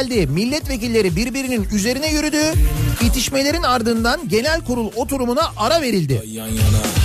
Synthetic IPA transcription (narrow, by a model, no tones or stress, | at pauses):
lʲd̪imilʲːɛt̪ve̞cilʲːe̞ɾibiɾbiɾininyze̞ɾinɛjyɾyd̪yːjit̪ʰiʃme̞lʲe̞ɾinaɾd̪ɯnd̪anɟe̞nælʲkuɾulˠo̞t̪ʰuɾumunaʔaɾave̞ɾilʲd̪ɪ̰